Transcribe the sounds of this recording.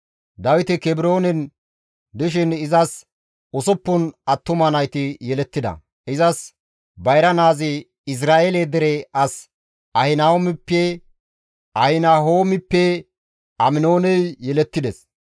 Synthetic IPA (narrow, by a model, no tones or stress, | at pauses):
d̪ɐwɪt̪ɪkɛbɪɾo̞ːnɛn | d̪ɪʃ̬ɪnɪzɐs | ʊsɔpːʊnɐt̪ːʊmɐnɐjt̪ɪjɛlɛt̪ːɪd̪ɐ̰ | ɪzɐs | bɐjɾɐnaːzɪ | ɪs̬ɾaːʔeled̪ɛɾɛɐs | ɐhɪnawɔmɪpːɛ | ʔɐhɪnaːɦoːmɪpːɛ | ɐmɪno̞ːnɛjjɛlɛt̪ːɪd̪ɛs